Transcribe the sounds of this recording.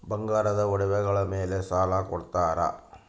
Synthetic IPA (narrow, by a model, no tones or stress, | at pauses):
bɐŋɡaːɾɐðɐɔɽɐʋɐɣɐɭɐmeːlesaːlaːkɔɽɯt̪ːaːɾa̰ː